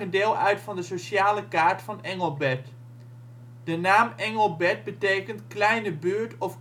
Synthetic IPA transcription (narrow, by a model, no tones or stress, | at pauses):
əndɪːlˠʔœɥtfɑndəsoʃaːləkaːɹtfɑnɛŋəlˠbɛt | d̥ənaːmɛŋəlˠbɛd̚bətejkəntklɛjnəbyːɹtɔf